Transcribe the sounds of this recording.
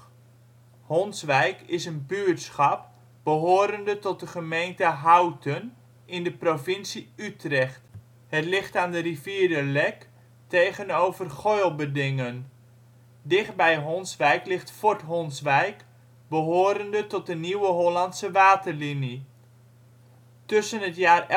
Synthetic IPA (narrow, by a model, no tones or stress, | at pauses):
hɔnsʋɛjkɪsənbyɹtsχɑp̚ | b̥əɦoːɾəndətɔt̚dəχəmejntəɦawtʰən | ɪndəprovɪnsiytrɛχt | hətlɪχtaːndəriviːdəlɛk | tejχənowvərχojlˠbədɪŋən | dɪχt̚bɛjɦɔnsʋɛjklɪχtfɔɹtɦɔnsʋɛjk | bəɦoːɾəndətɔt̚dəniwəɦolɑntsəʋaːtərlini | tøsənɦətjaːr